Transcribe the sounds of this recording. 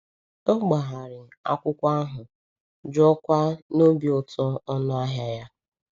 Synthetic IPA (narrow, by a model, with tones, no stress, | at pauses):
o˦ɡ͡ba˨ɦa˨ɾɪ˨a̰˦kʷʊ˦kʷa˦a˦ɦʊ˨ | d͡ʒɔ˦kʷa˦no˦bi˨ɔ˨tɔ˦ɔ˦nʊ˦a˦ɦja˦ja˦